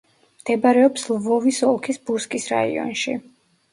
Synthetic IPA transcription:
md̪̥ɛbaɾɛɔpslvɔvisɔlˠkʰisbuɾskʼisɾa̰ḭɔ̰nʃi

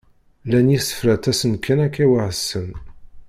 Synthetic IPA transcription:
lænjisə̥fɾæt̪æsənkʰːænækːæwaʕəsːən

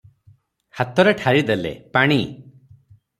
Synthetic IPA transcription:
hat̪ɔɾeʈʰaɾid̪elḛpaɽ̃i

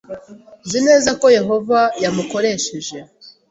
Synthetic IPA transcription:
nzine̞ːzako̞je̞ɦo̞vajamuko̞ɾe̞ːʃe̞ʒe̞

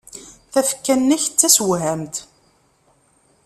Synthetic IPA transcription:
θæfkːænːæçət͡sːæswɦæmt̪

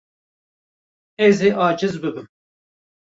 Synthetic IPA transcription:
eːzeːʔɑːd͡ʒɪzbɨbɨm

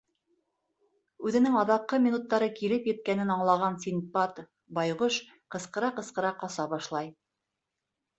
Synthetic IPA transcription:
ʉðɘ̆nɘŋɑðɑqːɤmʲinut̪ːɑɾɤkilɘpjɘ̆t̪̚kænɘnɑɴlˠɑʁɑnsʲinpɑt̪ | bɑjʁɤʃ | qɤ̆sqɤ̆ɾɑqɤ̆sqɤ̆ɾɑqɑsɑbɑʃlˠɑj

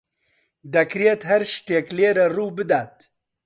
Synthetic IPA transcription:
d̪ɐkɾeːt̪ɦɐɾʃt̪eːkleːɾɐruːbɨd̪aːt̪̚

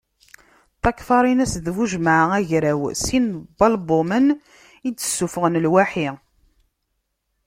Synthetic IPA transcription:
θɑkːfɑɾˤinæsðvuʒmaʕæʝɾæwsinbɑlbomən | idt͡sːə̥sːufəʁənlwaħi

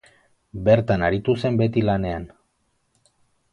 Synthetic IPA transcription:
be̞ɾt̪anaɾit̪use̞mbe̞t̪ilane̞an

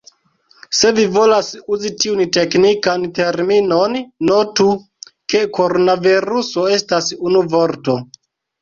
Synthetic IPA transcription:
se̞vivo̞lasuzitiunte̞knikante̞ɾmino̞nːo̞tu | ke̞ko̞ɾonaviɾuso̞e̞stasunuvo̞ɾto̞

